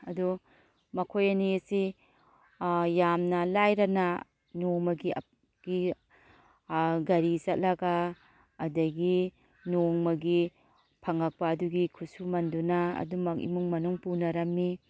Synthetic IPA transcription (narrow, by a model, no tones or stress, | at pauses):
ɐdu | mɐkʰojɐniesi | jamnɐlajɾɐna | noŋmɐɡiɐ̰ | ɡ̥i | ɡɐɾisɐt̚lɐɡaː | dɐɡi | noŋmɐɡi | pʰɐŋɐk̚paːduɡikʰusumɐndunaɐ̰dumɐk̚ḭmuŋmɐnuŋpunɐɾɐmːi